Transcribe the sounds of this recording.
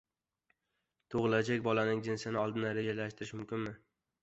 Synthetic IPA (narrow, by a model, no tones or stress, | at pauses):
t̪ʰoʁɨlˠad͡ʒakʲbɒlanɪŋd͡ʒɪnsɪnɪɒlˠd̪ɪnaɾed͡ʒalaʃt̪ɪɾɪʃmʊmkʲɪnmɪ